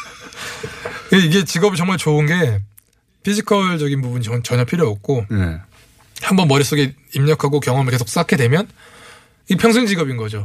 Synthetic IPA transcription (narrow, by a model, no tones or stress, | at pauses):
eiɡe̞t͡ɕiɡʌbit͡ɕʌŋmaɭt͡ɕoɯnɡe̞ | pʰid͡ʑʰikʰʌɭd͡ʑʌɡinpubunɲit͡ɕʌt͡ɕʌɲʌpʰiɾjʌːk̚k͈oḛ | hambʌnmʌɾis͈oɡeimɲʌkʰaɡokjʌŋʌmɯɭkesʰo̥k̚s͈akʰedwe̞mjʌn | ipʰjʌŋsʰuŋd͡ʑiɡʌbinɡʌd͡ʑo